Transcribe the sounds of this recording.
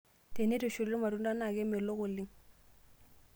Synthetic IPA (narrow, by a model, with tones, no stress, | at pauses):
te˨ne˦to˨ʃu˨le˦ɾma˨ɾu˦nda˦na˨ke˦me˨lo˦ko˨li˦ŋ